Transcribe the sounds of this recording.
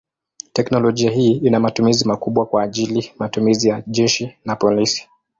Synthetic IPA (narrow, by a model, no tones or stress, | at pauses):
tɛknɔlɔʄiaɦiːinamatumizimakuɓwakwaːʄilimatumizijaʄɛʃinapɔlisi̥